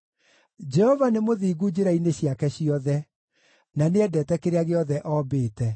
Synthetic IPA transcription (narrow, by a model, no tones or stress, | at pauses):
d͡ʒɛhɔvanemoðiːɡud͡ʑeɾaineɕiakɛɕiɔðɛ | naneɛdɛːtɛkeɾeaɣeɔðɛʔɔːbeːtɛ